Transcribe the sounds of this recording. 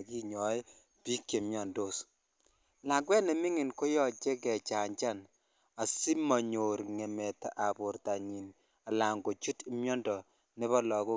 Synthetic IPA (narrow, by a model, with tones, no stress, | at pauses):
ki˦ɲɔ˨˦j | pi˦kje˨mjɔ˨ndo˦˨s | la˨ɡwɛ˦nɛ˨mi˦ŋɪ˨nko˦jɔ˨t͡ʃe˦k̬ɛ˨t͡ʃa˨ɲt͡ʃa˦˨n | a˨si˦ma˨ɲo˨ɾŋɛ˨mɛ˨ta˨ʔa˨bʊ˨ɾta˨ɲi˨n | a˨la˨ŋɡo˨t͡ʃu˦ti˦mjɔ˦ndɔ˨ | nɪ˦βɔ˦lɔ˨ko˦